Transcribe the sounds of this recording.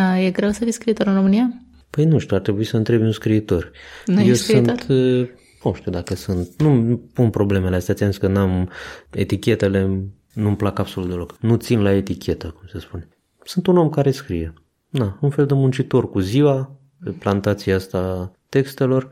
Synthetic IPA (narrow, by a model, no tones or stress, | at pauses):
jeɡɾewsəfiskɾit̪o̞ɾɨnro̞mɨnija | pəjnuʃt̪uaɾt̪ɾe̞buisəɨnt̪ɾe̞bʲunskɾiːt̪o̞rnewsɨnt̪ | nuʃt̪iud̪akəsɨnt̪̚numpunpɾo̞ble̞meleast̪eat̪t̪enskənamḛt̪ikʲe̞t̪e̞le̞ | numplakab̥so̞lut̪d̪eoknut̪sinlae̞t̪ikʲʰe̞t̪əkumsəspune | sɨnt̪uno̞mkaɾe̞skɾije | d̪aunfe̞ld̪e̞munt͡ʃit̪o̞rkuziwa | eplant̪at̪sieast̪at̪e̞kst̪e̞lo̞r